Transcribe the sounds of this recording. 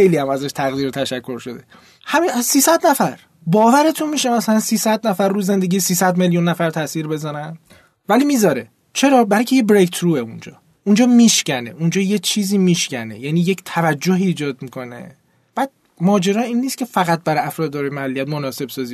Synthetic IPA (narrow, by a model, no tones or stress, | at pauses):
ejliæmæzæʃt̪ʰæɣd̪iːɾet̪ʰæʃækʰːo̞ɾʃo̞d̪ḛ | hæmisiːsæd̪næfæɾ | bɒːvæɾe̞t̪ʰunmiːʃemæsælænsiːsæd̪næfæɾːuːze̞nd̪e̞ɡɟiːsiːsæd̪me̞ljunːæfæɾt̪ʰæsiːɾbe̞zænæn | væliːmizɒːɾe̞ | t͡ʃʰe̞ɾɒːbæɾɒjcʰe̞jebɾekt̪ʰɾuːeund͡ʒɒ̰ː | und͡ʒɒːmiʃcæne̞̰ʔund͡ʒɒːje̞t͡ʃʰiːziːmiːʃcænḛjæniːje̞ct̪ʰævæd͡ʒːoɦiːd͡ʒɒːd̪̚mikʰo̞nḛ | b̥æːd̪̥̚ | mɒːd͡ʒe̞ɾɒːiːnːiːskcʰe̞fæɣæt̪̚bæɾæfɾɒːd̪̚ːɒːɾejmaælːiæt̪̚monɒːse̞b̥sɒːzi